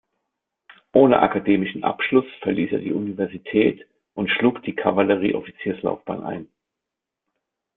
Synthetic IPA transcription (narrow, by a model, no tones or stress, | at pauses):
ʔoːnə̰ʔa̰kʰadeːmɪʃn̩ʔa̰pʃlʊsfɛɐliːsḛːɐdiːʔunivɛɐzitʰɛːt | ʔʊntʃluːkd̥iːkʰavaləʁ̞ḭːʔɔfit͡siːɐsla̰ʊfb̥a̰ːnʔa̰ɪn